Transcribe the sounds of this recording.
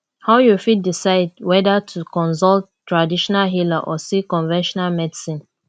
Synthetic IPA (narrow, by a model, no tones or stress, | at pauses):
haʊjufit̚disaɪd̚wɛdatʰukɔ̃nsɔlttːɹadiʃɔnalɦilaʔɔsikɔ̃nvɛ̃nʃɔnalmɛdisĩn